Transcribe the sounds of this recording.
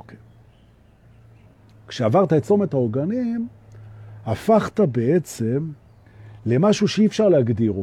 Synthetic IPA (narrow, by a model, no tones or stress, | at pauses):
kʃeavaʁt̪aet͡so̞met̪aoɡanim | hafaχt̪abe̞et͡se̞m | le̞maʃuʃeiːfʃaʁlehaɡd̪iʁo